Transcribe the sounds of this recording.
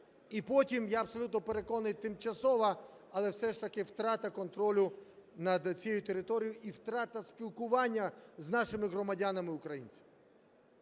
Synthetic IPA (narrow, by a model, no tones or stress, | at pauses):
ipɔtʲimjaɐbsɔlʲut̪nɔpeɾe̞kɔnɪjt̪ɪmt͡ʃɐsɔʋɐ | ɐlˠɛwsɛʃt̪ɐkɪwt̪ɾɑt̪ɐkɔnt̪ɾɔlʲʊnɐd̪t͡sʲɛjʊt̪eɾɪt̪ɔɾʲijʊʔiwt̪ɾɑt̪ɐspʲilˠkʊʋɑnʲːɐznɑʃɪmɪɣɾɔmɐdʲanɐmɪʊkɾɐjḭnʲt͡sʲɐ̥